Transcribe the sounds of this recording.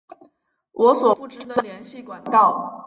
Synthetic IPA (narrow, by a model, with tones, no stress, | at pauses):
wʔɔ˧˥swɔ˨˩u˥˩ʈ͡ʂɻ̩˥d̪ə˥d̪ə˩ljɛ˧˥nɕi˥˩kwa˨˩nk̪ɑ˥˩ʊ